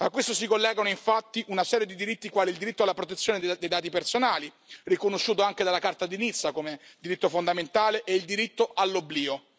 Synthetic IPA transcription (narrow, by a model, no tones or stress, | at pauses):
akːwest̪osikolːɛːɡanoiɱfat̪ːiʔunasɛːɾjed̪id̪iɾit̪ːikwaːliːld̪iɾit̪ːoalːapɾot̪̬et̪sːjoːned̪ed̪ejd̪aːt̪ipersonaːli | rikonoʃːuːt̪oaŋked̪alːakart̪ad̪init̪sːakomed̪iɾit̪ːofond̪ament̪aːleʔeild̪iɾit̪ːoʔalːobliːo